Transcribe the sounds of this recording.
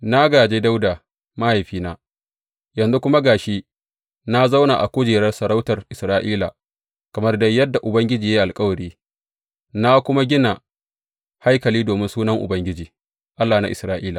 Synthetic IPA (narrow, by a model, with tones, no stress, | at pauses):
na˦ɡaː˨d͡ʒeː˦da˦wdaː˨ | ma˦ha˨jɸiː˦naː˦ | jɐ˨nzu˦kʷʊ˦ma˦ɡaː˨ʃi˦ | na˦za˦wnaː˨ʔa˨kʷʊ˦d͡ʒeː˨ɾɐ˦rsɐ˨ɽa˦wtɐ˨rʔɪ˨sɾaː˦ʔiː˦la̰˨ | kɐ˨mɐ˦rdɐ˦jːɐ˦dːa˨ʔʊ˨bɐ˦ŋɡʲɪ˦d͡ʒiː˨ja˦ʔa˨lkʼɐ˦wɐ˨ɽiː˦ | na˦kʷʊ˦ma˦ɡʲɪ˦na˨ | ha˦jkɐ˨liː˦doː˨mɪ˦nsuː˦nɐ˦ŋʔʊ̰˨bɐ˦ŋɡʲɪ˦d͡ʒiː˨ | ʔa˦lːaː˨na̰˦ʔɪ̰˨sɾaː˦ʔiː˦laː˨